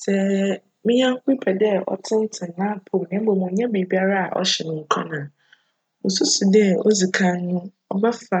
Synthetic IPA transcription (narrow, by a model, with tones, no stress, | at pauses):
sɛ˦ | mɪ̃˦ɲã˦ŋ˦ki˦pʰɛ˨dɛ˦ɔ̰˦tʰɪ̃˦n˦tʰɪ̃˨n˨nã˦˨pʰo˨m˨nɛ̃˨˦bo˨mʊ̃˨˦ɲɛ̃˦be˨bi˦a˦ɾa˦a̰˨ʔɔ̰˦ɕɛ˨nʊ̃˨ŋ̩˦kʰa˦nãː˨ | mʊ̃˨su˦su˨dɛ˦ɔ˦zi˨kʰã˦nː˦ʊ̃˦ | ɔ˦ba˦fa˨